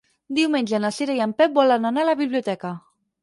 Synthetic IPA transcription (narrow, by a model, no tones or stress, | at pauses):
d̪iwmeɲʲʒənasiɾajampɛp̚bɔlananalaβiβliut̪ɛka